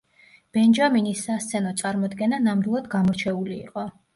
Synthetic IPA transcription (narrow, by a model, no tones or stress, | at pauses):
b̥ɛnd͡ʒaminisːast̪sʰɛnɔt̪sʼaɾmɔd̪ɡɛnanamd̪ilˠad̪ɡamɔɾt͡ʃʰɛulḭːqʼɔ